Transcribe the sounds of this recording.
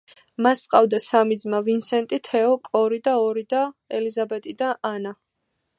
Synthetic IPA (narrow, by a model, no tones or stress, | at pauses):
mast̪ʼqʼavd̪asamid̪zmavinsɛnt̪ʼit̪ʰɛɔkʼɔɾid̪aɔɾid̪aɛlizabɛt̪ʼid̪anana